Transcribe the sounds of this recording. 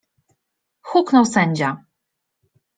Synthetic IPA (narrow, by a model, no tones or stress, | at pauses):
xuknɔwsɛɲd͡ʑa